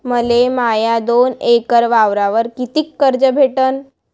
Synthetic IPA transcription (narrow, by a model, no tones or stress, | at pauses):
məlemajad̪onekəɾʋaʋɾaʋəɾkit̪ikːəɾd͡ʑəbʱeʈən